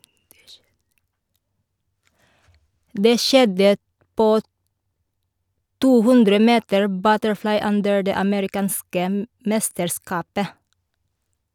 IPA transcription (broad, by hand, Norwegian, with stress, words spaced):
ˈdeː ˈʃɛdə ˈpoː ˈtuː ˈhʉndɾə ˈmeːtəɹ ˈbœtəɹˌflɑɪ ˈʉndəɹ ˈdeː ɑməɾɪˈkɑːnskə m ˈmɛstəɾˌskɑːpə